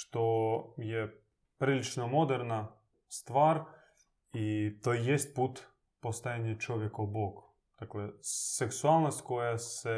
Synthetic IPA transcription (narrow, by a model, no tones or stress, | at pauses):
ʃt̪ojɛ | pɾilit͡ʃnomod̪ɛɾna | st̪ʋaɾ | it̪ojjest̪̚put̪ | post̪ajanʲat͡ʃoʋjɛkaboɡ | d̪̥akleseksualˠnost̪ʲkojasɛ